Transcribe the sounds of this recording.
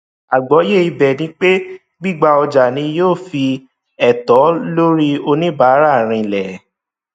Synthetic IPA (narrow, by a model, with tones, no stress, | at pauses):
a˨ɡ͡bɔ˨˦je˦˨i˧bɛ˨nĩ˨˦k͡pe˦ | ɡ͡bi˦˨ɡ͡ba˧ɔ˧d͡ʒa˨nĩ˧joː˦˨fi˧ | ɛ˨tɔ˨˦lo˦ɾi˦o˧nĩ˦ba˨˦ɾa˦˨ɾ̃ĩ˧lɛ˨